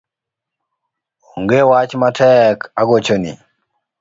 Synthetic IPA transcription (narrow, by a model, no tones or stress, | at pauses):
oŋɡewat͡ʃmatʰɛkaɡot͡ʃonḭ